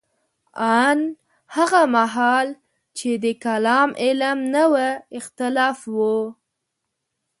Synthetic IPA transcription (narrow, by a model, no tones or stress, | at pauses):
an | haɣamaɦɑl | t͡ʃed̪əkalɑmʔɪlmnəwəɪxt̪ɪlɑfwu